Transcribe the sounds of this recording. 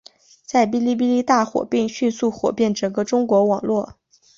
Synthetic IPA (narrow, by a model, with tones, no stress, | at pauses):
t͡sa˥˩ɪp̬i˥li˥˧p̬i˥li˥˧t̪a˥˩xwɔ̰˨˩pi˥˧ŋɕy˥˧nsu˥˩xwɔ̰˨˩pjɛ˥˩nʈ͡ʂə˨˩ŋɡə˥ʈ͡ʂʊ˥ŋkwɔ˧˥wɑ˨˩ŋlwɔ˥˩